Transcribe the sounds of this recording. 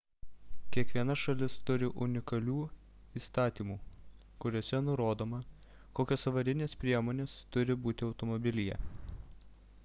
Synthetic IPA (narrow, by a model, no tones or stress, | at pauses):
kʲiɛkʋʲiɛnɐʃɐlʲɪst̪ʊɾʲɪʔʊnʲɪkɐlʲuː | iːst̪ɑːt̪ʲiːmuː | kʊɾʲoːsʲɛnʊɾoːd̪oːmɐ | koːkʲosɐʋɐɾʲɪnʲeːspʲɾʲiɛmoːnʲeːst̪ʊɾʲɪbuːt̪ʲɪɒʊt̪ɔmɔbʲɪlʲɪjɛ̰